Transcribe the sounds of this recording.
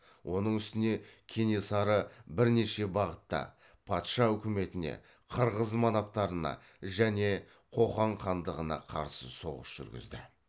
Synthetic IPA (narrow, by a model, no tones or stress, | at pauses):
wʔo̞nəɴʏst̪ɪne̞kʲʰenesɑɾəbɪɾne̞ʃe̞bɑʁət̪ːɑ̰ | pʰɑt̪ʃɑʏkʲɪme̞t̪ɪne̞̰ | qʰəɾʁəzmɑnɑp̚t̪ɑɾənɑ̰ | ʒæne̞ | qʰo̞χɑɴqʰɑnd̪əʁənɑ̰qʰɑ̰ɾsəso̞ʁəsʒ̥ʏ̰ɾɡʲɪ̰zd̪ɪ